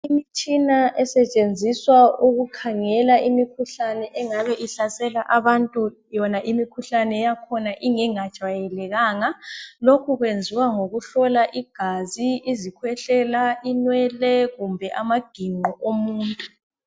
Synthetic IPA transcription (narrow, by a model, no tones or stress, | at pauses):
imit͡ʃʼinaʔɛsɛt͡ʃʼend͡zʱiswauɣukʰaŋɛlaʔimikʰuɬanɛʔɛŋaβɛʔiɬasɛlaʔaβantʼu | jɔnaʔimikʰuɬanɛjakʰɔnaʔiŋɛŋad̥ʒ̥ʱajɛlɛɣaːŋalokʰuɣwend͡zʱiwaŋoɣuɬɔlaʔiɡ̥ʱaziizikʰwɛɬɛlainwɛlɛɣumbʱɛʔamaɡ̥ʱiŋ͡ǃɔʔomuːntʼu